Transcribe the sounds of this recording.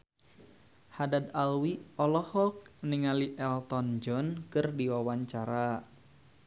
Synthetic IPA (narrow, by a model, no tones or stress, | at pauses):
hadad̪alwiɔlɔhɔk̚niŋaliʔɛlt̪ɔnd͡ʒɔnkɨrdiwawaɲt͡ʃaɾa